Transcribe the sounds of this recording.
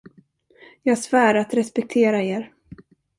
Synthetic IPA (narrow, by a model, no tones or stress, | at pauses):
jɑːɡsvæːɾat̪ɾɛspɛk̚t̪ʰeːɾaeːɾ